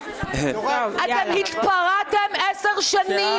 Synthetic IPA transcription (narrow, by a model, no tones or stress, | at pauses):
at̪emhitpaʁat̪emʔɛseʁʃanĩ